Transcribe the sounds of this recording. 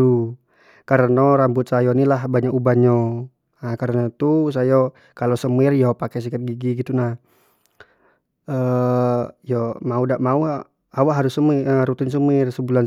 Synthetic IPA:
u | kaɾənoɾambʊt̪̚sajɔnilahbaɲaʔubaɲɔ | akaɾənat̪us̬ajɔ | kalosəmɪrjɔpakɛs̬ikət̪̚ɡiɡiɡit̪unah | ə | jɔmaudaʔmaua | awaʔɦaɾʊsəmiəɾut̪ins̬əmɪrsəbulan

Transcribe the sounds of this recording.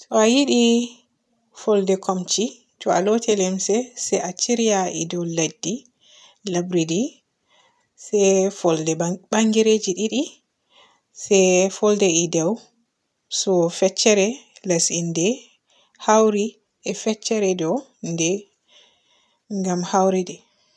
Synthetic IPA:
sɔajiɗi | fɔldɛkʰɔmt͡ʃi | tɔa̰lɔtʰɛlɛmsɛsɛat͡ʃiɾijaʔḭdɛwladːi | labɾidi | sɛfɔldɛbaŋɡiɾed͡ʒiɗiɗi | sɛfɔldɛidɛw | sɔfɛt͡ʃːɛɾɛlasindɛ | hawɾi | ʔɛfɛt͡ʃːɛɾɛdɔndɛ | ŋɡamhawɾidɛ

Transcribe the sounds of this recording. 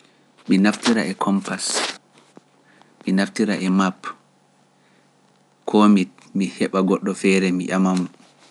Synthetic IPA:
minaftiɾaɛkʰɔmpas | minaftiɾaʔɛmap | kʰɔmi | mihɛɓaɡɔɗːɔfɛːɾɛmiʔamam

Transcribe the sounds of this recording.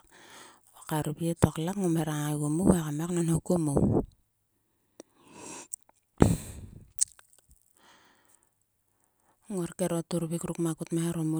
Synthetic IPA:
okaɾubietoklakŋomeɾaŋaɣumuekameknonhokumu | ŋoɾkeɾotuɾβikɾukmakutmeeɾomu

